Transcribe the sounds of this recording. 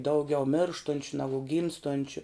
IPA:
ˈdɐʊˌɡʲɛʊ ˈmʲeːrʃtʊnʲt͡ʃʲʊ ˈnɑːɡʊ ˈɡʲiːmstoːnʲt͡ʃʲʊ

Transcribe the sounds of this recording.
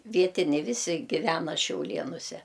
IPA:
ˈʋʲiɛtʲɪnʲɛɪ ˈʋʲɪsʲɪ ɡʲɪˈʋʲæːnɐ ʃʲɛʊˈlʲeːnʊsʲɛ

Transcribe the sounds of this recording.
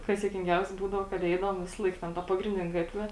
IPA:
ˈkɐs juɔkʲɪŋʲˈɡʲɛʊsʲɛ ˈbuːdɐʋoː kɐt ˈɛɪdɐʋoːm ˈʋʲɪsɐlˠɐɪk ˈtʲɛn ˈtɐ pɐɡrʲɪnʲˈdʲɪnʲɛ ˈɡɑːtʲʋʲɛ

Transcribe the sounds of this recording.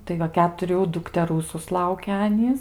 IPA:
tɐɪ ˈʋɐ kʲɛtʊˈrʲuː dʊktʲɛˈruː sʊsˈlˠɐʊkʲɛ ˈɑːnʲiːs

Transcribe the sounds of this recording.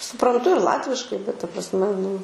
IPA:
sʊprɐnˈtʊ ɪr ˈlˠɑːtʲʋʲɪʃkɐɪ bʲɛt tɐ prɐsʲˈmʲɛ nʊ

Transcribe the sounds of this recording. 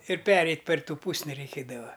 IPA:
ɪr ˈpʲæːrʲɛɪtʲ pʲɛr ˈtuː ˈpuːsʲnʲɪ rʲɛɪˈkʲeːdɐʋɐ

